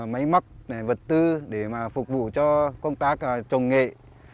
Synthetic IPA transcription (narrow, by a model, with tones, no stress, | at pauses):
ma˨˦jma˦˥k̚na˨˩və˨˩t̚t̪ɨ˧ɗe˧˩maː˨˩fʊ˨˩k͡p̚vṵ˧˨t͡ɕɔ˧kə˧wŋ͡mt̪aː˦˥k̚t͡ɕə˨˩wŋ͡mŋḛ˧˨